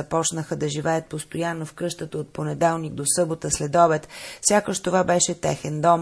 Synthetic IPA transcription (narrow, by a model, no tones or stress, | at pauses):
ɐpɔt͡ʃnəxəd̪ɐʒivɛət̪̚post̪ojanːofkɤʃt̪ət̪əot̪̚ponɛd̪ɛlˠniɡ̚d̪osɤbot̪əslɛd̪ɔbɛt̪fsʲjakəʃt̪ovabɛʃɛt̪ɛxɛnd̪ɔm